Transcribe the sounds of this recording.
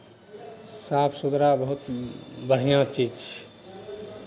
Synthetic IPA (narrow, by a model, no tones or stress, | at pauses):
sapʰsud̪ɾabəɦut̪bəɽ̤ijãt͡ʃid͡ʒ